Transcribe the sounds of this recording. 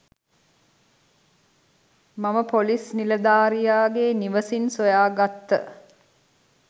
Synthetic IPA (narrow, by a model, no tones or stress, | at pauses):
maməpolisniləd̪aːɾijaːɡeniʋəsinsojaːɡat̪ːə̰